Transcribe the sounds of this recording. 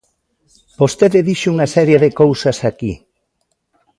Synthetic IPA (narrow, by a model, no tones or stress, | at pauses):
post̪eðɪðiʃuŋasɛɾjeðekowsɐsaki